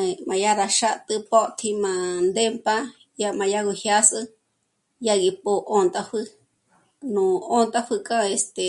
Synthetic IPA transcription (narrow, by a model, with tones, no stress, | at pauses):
mã˨ja˦ɾa˧ʃa˦t̪ɨ˧po˦ʔt̪ʰi˧mã˧nd̪e˦mpa˧ | ja˧mã˧ja˦˧ɣu˧hja˦sɨ˧ | ja˧ɣi˧po˧ʔo˧nt̪a˧ɸɨ˧ | nũ˨o˦nt̪a˦˧ɸɨ˧kʼã˦e˧st̪e˨